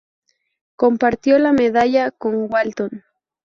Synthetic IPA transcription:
ko̞mpaɾt̪jo̞lame̞ðaʎako̞ŋɡwalt̪on

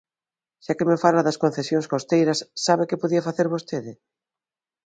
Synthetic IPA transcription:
ʃakemefalaðɐskõn̟θesjõŋskost̪ejɾɐsːaβekepoðiɐfaθeɾβost̪eðɪ

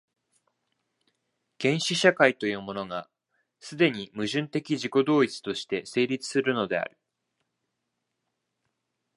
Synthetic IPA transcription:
ɡ̥ẽ̞ɰ̃ɕiɕakait̪o̞jɯ̟ːmo̞no̞ɡa | sɨd̪e̞ɲ̟imɯ̟ʑɨ̃nt̪e̞kʲiʑiko̞d̪o̞ːit͡sɨ̥t̪o̞ɕi̥t̪e̞se̞ːɾʲit͡sɨ̥sɨɾɯ̟no̞d̪e̞a̰ɾɯ̟

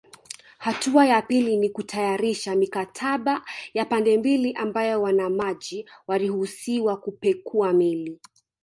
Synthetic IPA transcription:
hatuajapilinikutʰajaɾiʃamikatʰaɓajapandɛmbiliʔambajɔwanamaʄiwalihusiwakupɛkʰuamili

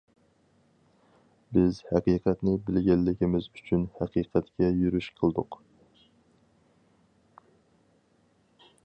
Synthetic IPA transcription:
bɪzhæqiqʰɛt̪nɪbɪlɡʲɛlːɪkʲɪmɪzyt͡ʃʰynhæqʰiːqʰɛt̪kʲɛjyɾyʃqʰəlˠd̪ʊ̰q

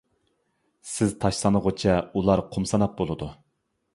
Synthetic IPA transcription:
sɪzt̪ʰɑʃsˠɑnəʁot͡ʃʰɛulˠɑɾqʰomsɑnɑp̚bolˠɨd̪u

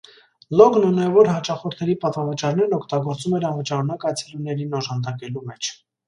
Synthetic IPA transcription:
lɔɡnunɛvɔɾɦɑt͡ʃɑχɔɾt̪ʰɛɾipɑt̪vɑvət͡ʃɑɾnɛɾnɔkʰt̪ɑɡɔɾt͡sumɛɾɑnvət͡ʃɑɾunɑkɑjt͡sʰɛlunɛɾinɔʒɑnd̪ɑkɛlumɛt͡ʃʰ

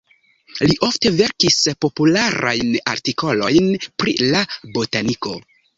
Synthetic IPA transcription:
liʔo̞fte̞ve̞ɾkispo̞pulaɾʔa̰jna̰ɾtiko̞lo̞jnpɾḭlabotaniko̞̰

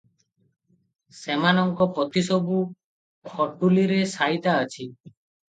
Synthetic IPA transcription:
semanɔŋkɔpɔt̪ʰisɔbu | kʰɔɖuliɾesajt̪aːt͡ʃʰi

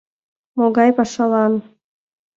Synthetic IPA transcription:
moɣɑjpɑʃɑlɑn

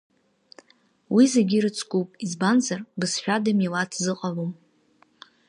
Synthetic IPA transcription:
wizeɡʲiɾɨt͡sʰʼkʼupʼizbanzarbɨsħᶣadamilatʰzɨqʼalom

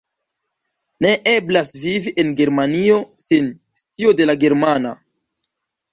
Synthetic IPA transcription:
ne̞ʔe̞blasviviʔe̞nɡe̞ɾmanio̞sin | st͡sio̞de̞laɡe̞ɾmana

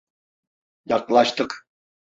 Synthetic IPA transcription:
jɑqlˠɑʃt̪əq

